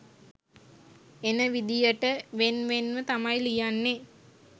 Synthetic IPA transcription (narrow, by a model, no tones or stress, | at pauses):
enəʋid̪ijəʈəʋenʋenʋət̪amajlijanːe